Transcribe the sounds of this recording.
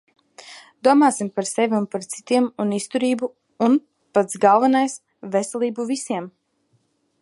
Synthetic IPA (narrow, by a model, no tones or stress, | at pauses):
d̪̥uɔmaːsimpaɾsɛvʲiunpaɾt̪si̥t̪iɛmunist̪uɾiːbuː | n | pat̪sɡalˠvanajs | vɛsʲɛlˠiːbuvisiɛm